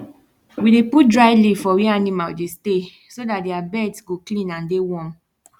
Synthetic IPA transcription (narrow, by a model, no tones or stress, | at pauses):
wideput̚dɹaɪlifɔwianĩmadeste | sodatdeabɛdsɡoklĩnãndewɔ̃m